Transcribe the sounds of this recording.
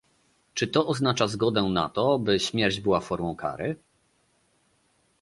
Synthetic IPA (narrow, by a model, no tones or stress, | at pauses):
t͡ʂɘt̪ɔʔɔznat͡ʂazɡɔd̪ɛna̰t̪ɔbɘɕmʲjɛɾd͡ʑbɘwafɔɾmɔ̃w̃kʰa̰ɾɘ